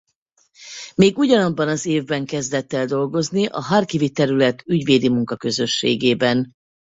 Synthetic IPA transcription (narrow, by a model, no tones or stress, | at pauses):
meːɡuɟɒnɒbːɒnɒzeːvbɛŋkɛzd̪ɛt̪ːɛld̪o̞lɡo̞zniʔɒɦɒrkivit̪ɛɾylɛt̪ʰyɟveːd̪imuŋkɒkø̞zø̞ʃːḛːɡeːbɛn